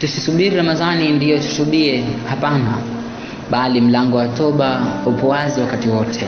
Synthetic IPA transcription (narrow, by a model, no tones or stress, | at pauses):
tusisuɓiɾiɾamazanindijɔtu̥suɗiɛhapana | ɓalim̩laŋɡɔwatɔɓaupɔwaziwakatiwɔtʰɛ